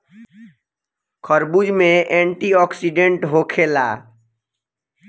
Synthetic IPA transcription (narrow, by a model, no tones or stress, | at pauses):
kʰəɾbud͡ʒmẽʔɛ̃ɳʈiɔːksiɖẽɳʈɦokʰela̰